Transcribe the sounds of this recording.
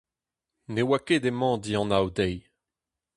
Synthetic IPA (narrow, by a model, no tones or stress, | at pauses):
newakedemɑ̃d̪iɑ̃nawdɛj